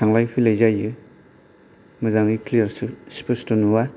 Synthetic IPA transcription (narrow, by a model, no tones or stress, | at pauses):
aŋlajpʰilajzajɯ | mɯzaŋiklijaɾsuspustunuwa